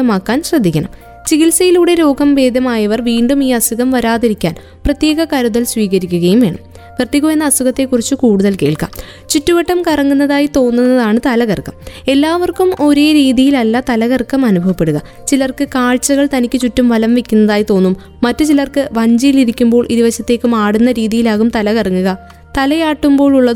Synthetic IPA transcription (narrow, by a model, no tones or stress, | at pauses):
ɐmaːkːaːnɕrɐd̪ʱːikʲːɐɳɐ̰m | t͡ɕiɣilsɐjiluːɽe̞ɾo̞ːɡɐmʋe̞ːd̪ʱɐmaːjɐʋɐrʋiːɳɖumiːɐsuɣɐmʋɐɾaːðiɾikʲːaːn | prɐt̪je̞ːɣɐkɐɾuðɐlsʋiːɣɐɾikʲːuɣɐjumʋe̞ːɳɐ̰m | kɐrt̪ːiɣume̞nːɐːsuɣɐt̪ːe̞kːurit͡ɕːukuːɽuðɐlkeːɭkɐ̰m | t͡ɕutːuʋɐʈːɐmkɐrɐŋːunːɐðaːjit̪o̞ːnːunːɐðaːɳɨt̪ɐlɐɣɐrkːɐme̞lːaːʋɐrkumo̞ɾe̞ːɾiːðijilɐlːɐt̪ɐlɐɣɐrkːɐmɐnubʱɐʋɐpːe̞ɽuɣɐ | t͡ɕilɐrkɨkaːɭt͡ɕːɐɣɐɭt̪ɐnikʲːɨt͡ɕutːumʋɐlɐmʋekʲːunːɐðaːjit̪o̞ːnːumːɐtːɨt͡ɕilɐrkɨʋɐɲd͡ʑijiliɾikʲːumbo̞ːɭʔiɾiʋɐɕjɐt̪ːe̞ːkːumaːɽunːɐɾiːðijilaːɣumt̪ɐlɐɣɐrɐŋːuɣɐ | t̪ɐlɐjaːʈːumbo̞ːɭuɭːɐð